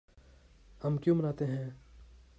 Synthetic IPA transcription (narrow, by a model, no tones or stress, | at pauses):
hɐmkjũːmɐnaːt̪eɦɛ̃ː